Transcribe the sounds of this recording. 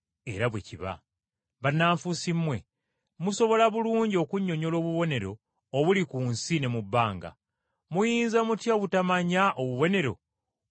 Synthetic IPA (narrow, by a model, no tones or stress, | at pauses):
e̞̰ɾaβwḛciβa̰ | βanːaːɱfusimːwe̞̰ | muso̞βo̞laβuluːɲɟio̞kuɲːo̞ɲo̞lo̞ːβuβo̞ne̞ɾo̞ː | βulikuːnsine̞mubːaːŋɡa̰ | mujiːnzamutjoβutamaɲaʔoβuβo̞ne̞ɾo̞̰